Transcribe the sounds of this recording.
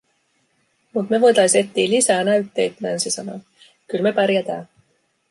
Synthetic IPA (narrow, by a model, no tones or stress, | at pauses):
mut̪mevojt̪ɑjset̪ːiːlisæːnæɥt̪ːejt̪nænsisɑnɑ̰ | kylmepæɾjæt̪æ̰ː